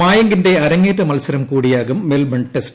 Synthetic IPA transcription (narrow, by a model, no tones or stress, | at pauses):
aːjɐŋɡɪndrɐːɐɾɐŋeːʈːɐmɐlsɐɾɐmkuːɽɪjaːɣɯmːelbɐɳʈːɛsʈ